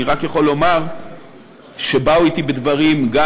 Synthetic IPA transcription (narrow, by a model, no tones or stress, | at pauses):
iʁakjaχo̞lːo̞maʁ | ʃebauit̪ibed̪vaʁimɡa